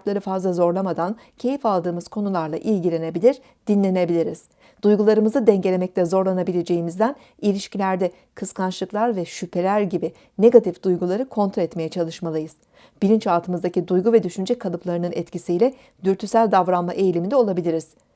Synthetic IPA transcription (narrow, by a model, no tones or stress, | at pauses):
t̪lˠaɾɯfazlˠazo̞ɾlˠamad̪an | cʰe̞jifalˠd̪ɯːmɯz̥kʰo̞nulˠaɾlˠaʔilʲɟilʲe̞ne̞bilʲiɾ̥ | d̪̥inlʲe̞ne̞bilʲiɾiz̥ | d̪̥ujɡulˠaɾɯmɯzɯd̪ɛɲɟe̞lʲemɛc̚lʲɛzo̞ɾlˠanabilʲe̞d͡ʒe̞jimizd̪æn | ilʲiʃcilʲæɾd̪ɛ | kʰɯskʰant͡ʃlˠɯklˠaɾvɛʃypʰe̞lʲæɾɟibɪ | ne̞ɡat̪ʰifd̪̥ujɡulˠaɾɯkʰo̞nt̪ʰɾoɛt̪me̞jɛt͡ʃʰalˠɯʃmalˠɯjɯz̥ | b̥iɾint͡ʃalˠt̪ʰɯmɯzd̪acid̪ujɡuvɛd̪yʃynd͡ʒɛkʰalˠɯplˠaɾɯnɯnɛt̪cisijlʲɛ | d̪yɾt̪ʰysælʲd̪avɾanmaʔe̞jlʲimind̪ɛo̞lˠabilʲiɾiz̥